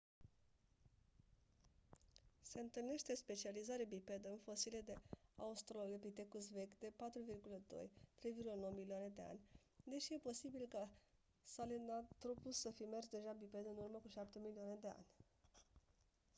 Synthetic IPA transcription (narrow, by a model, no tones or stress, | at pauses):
se̞ɨnt̪ɨlne̞ʃt̪e̞spe̞t͡ʃializaɾeabipe̞d̪əɨnfo̞sile̞d̪e̞a̰ust̪ɾolepit̪e̞kus̬ve̞kd̪e̞pat̪ɾuvirɡuləd̪o̞̰jt̪ɾe̞jvirɡuləno̞wmilioane̞d̪e̞a̰nʲ | d̪eʃije̞po̞sibilka | salenat̪ɾo̞pusːəfime̞rsd̪e̞ʒabipe̞d̪əɨnurməkuʃapt̪e̞milioane̞d̪e̞a̰nʲ